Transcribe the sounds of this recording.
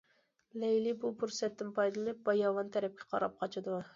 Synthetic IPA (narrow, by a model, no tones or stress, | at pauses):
lejlibʊpʊɾsɛt̪ːɪmpʰɑjd̪lˠɪnɪp̚bɑjɑvɑnt̪ʰæɾɛp̚kʲɛ̥qʰɑɾɑp̚qʰɑt͡ʃʰɪd̪ʊ